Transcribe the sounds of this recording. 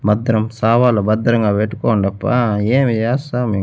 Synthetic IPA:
bɐd̪ɾɐmsaːʋaːlobɐd̪ɾɐŋɡaːpeʈːu̥koːɳɖɐpːaːeːmid͡ʒaːsaːmi

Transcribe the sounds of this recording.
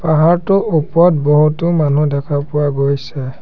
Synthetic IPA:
paɦaɹtʊʔupɔt̚bɔɦutʊmanudɛkʰapʊaɡojsɛ

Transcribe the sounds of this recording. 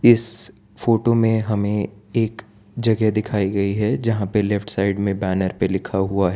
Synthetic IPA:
ɪs | foːʈomẽɦɐmẽeːk | d͡ʒɐɡɛd̪ɪkʰaːiɡɐiɦɛd͡ʒɐɦãpelɛfʈsaːɪɖmẽbɛːnəɾpelɪkʰaɦuaɦɛː

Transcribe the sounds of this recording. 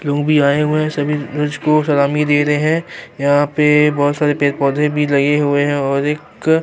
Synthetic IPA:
loːɡbʱiaːeɦʊeɛ̃sɐbʱiɾɐd͡ʒkosɐlaːmid̪eːɾɐɦeɦɛ̃jɐɦãpebɔɦːt̪saːɾepeːɾpɔːd̪ʱẽbʱilɐɡeɦueɦɛ̃ɔːɾeːk

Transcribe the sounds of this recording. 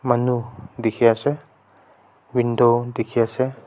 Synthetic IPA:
manud̪ekʰijasɛ | wind̪od̪ekʰiasɛ

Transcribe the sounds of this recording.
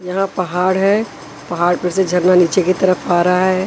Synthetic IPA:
jɐɦãpɐɦaːɽɦɛː | pɐɦaːɽpɐɾsed͡ʒʱɐɾnaniːt͡ʃekit̪ɐɾəfaːɾɐɦaɦɛ

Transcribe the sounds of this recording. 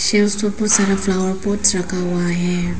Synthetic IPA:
ʃesopʊsɐɾaflawəɾpoːʈɾɐkʰaɦʊaɦɛː

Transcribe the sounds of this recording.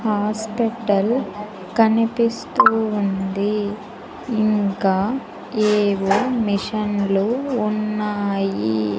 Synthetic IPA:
haːspiʈɐl | kɐnipist̪uːnd̪iː | ŋkaː | eːʋomiʂɐnluːnːaːji

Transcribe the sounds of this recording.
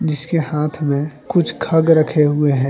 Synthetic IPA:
d͡ʒɪskehaːt̪ʰmẽkʊt͡ʃʰkʰɐɡɾɐkʰeɦʊeɦɛ̃ː

